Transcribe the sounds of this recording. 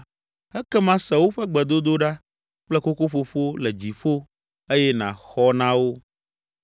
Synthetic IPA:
ɛ˦kɛ˦mã˦sɛ˨wo˦ɸɛ˦ɡ͡bɛ˨d̪o˦d̪o˦ɖa˦ | k͡plɛ˦ko˦ko˦ɸo˦ɸo˦lɛ˨d͡ʑi˨ɸo˦ | e˦jɛ˦nã̰˨xɔ˦nã˦wo˦

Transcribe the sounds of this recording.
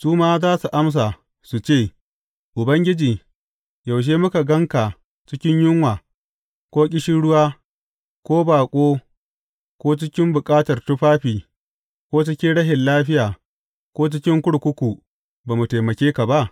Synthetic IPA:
suː˦maː˦zaː˦su˨ʔa˦ms̬a˨ | su˨t͡ʃeː˦˨ | ʔʊ˨bɐ˦ŋɡʲɪ˦d͡ʒiː˨ | ja˨wʃ̬eː˦mʊ˦ka˨ɡɐ˦ŋka˨ | t͡ʃɪ˦kʲɪ˦ɲjʊ˦ŋwaː˨ | kʷoː˦kʲʼɪ˦ʃɪ˦ɽʊ˦waː˦ | kʷoː˦baː˨kʷʼoː˦ | kʷoː˦t͡ʃɪ˦kʲɪ˦mbʊ˨kʼaː˦tɐ˨rtʊ˦ɸaː˦ɸiː˨ | kʷoː˦t͡ʃɪ˦kʲɪ˦nɽɐ˦ɦɪ˨nlaː˦ɸɪ˦jaː˨ | kʷoː˦t͡ʃɪ˦kʲɪ˦ŋkʷʊ˦ɽkʷʊ˦kʷu˨ | baː˨mu˨teː˨mɐ˨kʲeː˦ka˨ba˦ʔ

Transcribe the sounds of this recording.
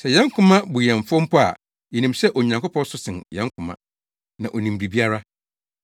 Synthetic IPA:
sɛ˨jɛ̃˦ŋkʰʊ̃˦mã˦bu˨jɛ̃˨ɱ˨fʊ̃˦m̩˦pʰɔ˦a̰˨ | ji˨nĩ˨msɛ˦ʔɔ˨ɲã˨ŋkʊ˦pʰɔ̃˦n˦sʊ˦sɪ̃˨njɛ̃˦ŋkʰʊ̃˨mã̰˨ | nã˨ʔɔ˨nĩ˨m˨bɾi˨bi˦a˦ɾa˦

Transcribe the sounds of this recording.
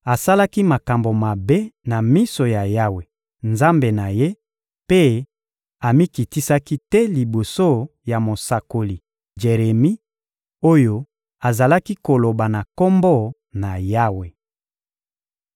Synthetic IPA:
a˨sa˦la˦ki˦ma˨ka˨mbo˨ma˨be˦na˨mi˦so˨ja˨ja˦we˨ | nza˦mbe˨na˨je˦ | pe˦ | a˨mi˦ki˨ti˦sa˦ki˦tɛ˦li˨bo˨so˦ja˨mo˨sa˨ko˨li˨ | d͡ʒe˨ʁe˨mi˦ | o˦jo˦ | a˨za˨la˦ki˦ko˨lo˨ba˨na˨ko˦mbɔ˦˨ | na˨ja˦we˨

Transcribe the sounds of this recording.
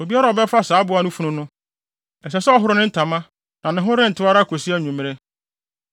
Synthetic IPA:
o˨bi˦a˦ɾa˨ɔ˨bɛ˦fa˦saː˨˦bʊ˨˦a˦nʊ̃˦fu˦nʊ̃˦nʊ̃˦ | ɛ˨sɛ˨sɛ˦ɔ˦ɦʊ˦ɾʊ˦nɪ̃˦n̩˦tʰa˨mã˦ | nã˨nɪ̃˨ɦʊ̃˦ɾɪ̃˦n̩˨tʰɪ˦wa˦ɾa˦kʰo˨si˦æ˦˨ɲᶣũ˨mɪ̃˨ɾe˦

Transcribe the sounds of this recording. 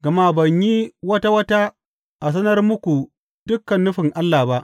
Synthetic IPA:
ɡɐ˨ma˦bɐ˨ɲji˦wɐ˦ta˦wɐ˦ta˦ | ʔa˨s̬ɐ˦nɐ˦rmʊ˦kʷu˨ | d̥ʊ˦kːɐ˨nːʊ˦ɸɪ˨ŋʔa˦lːaː˨ba˦ʔ

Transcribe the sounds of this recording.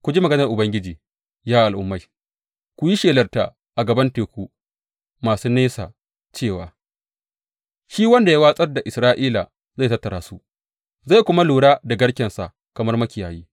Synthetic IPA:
kʷʊ˨d͡ʒi˦mɐ˨ɡɐ˦nɐ˨rʔʊ˨bɐ˦ŋɡʲɪ˦d͡ʒiː˨ | jaː˦ʔa˨lʔʊ̰˦mːa˦˨j | kʷu˨ji˦ʃeː˨lɐ˨rta̰˨ | ʔa˨ɡɐ˨bɐ˦nteː˨kʷu˦ | maː˨suː˦neː˦sa̰ː˨ | t͡ʃeː˦˨waː˨ | ʃiː˦wɐ˦nda˨ja˦waː˦sʼɐ˦rda˨ʔɪ˨sɾaː˦ʔiː˦la˨ | ztɐ˦tːɐ˨ɾaː˦su˦ | za˦˨kʷʊ˦ma˦luː˨ɽaː˦da˨ɡɐ˦ɽkʲɛ˨nsa̰˨ʔ | kɐ˨mɐ˦rmɐ˦kʲɪ˨jaː˨jiː˦

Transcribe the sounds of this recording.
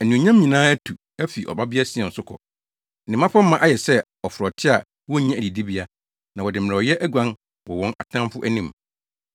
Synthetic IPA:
ɛ˨nũ˨ɲã˦mː˦ɲĩ˨nãː˦æ˦tʰu˨ | æ˦fi˨ʔɔ̰˨ba˦bɪ˦a˦sɪ˨ɛ̃˨n̩˨sʊ˦kʰɔ̰˨ | nɪ̃˨mã˦fa˦mã˦˨ʔa˦jɛ˨sɛ˦ | ɔ˨fʊ˨ɾɔ˨tʰɪ˦a˨ | wɔ˦ɲã˦˨æ˨di˨di˦bi˦a˦ | nã˨wɔ˨dɪ˨mɪ̃˨ɾɛ˨ɔ˨jɛ˦ʔæ˦ɡʷã˦n | wɔ˨wɔ̃˦na̰˨tʰã˦m˦fʊ˦ʔæ˦nĩ˦m

